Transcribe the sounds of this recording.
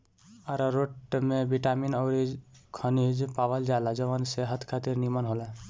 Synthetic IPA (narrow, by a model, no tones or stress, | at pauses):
aɾɔɾoʈmebiʈaminɔɾikʰənid͡ʒpawəld͡ʒajlad͡ʒəbənseɦət̪ʰkʰat̪iɾnimənɦolɛ